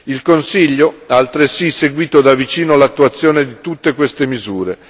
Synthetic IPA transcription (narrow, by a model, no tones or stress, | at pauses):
ilkonsiʎːoaːlt̪ɾesiseɡwiːt̪od̪avit͡ʃiːnoalat̪ːuat̪sːjoːned̪it̪ut̪ːekwest̪emizuːɾe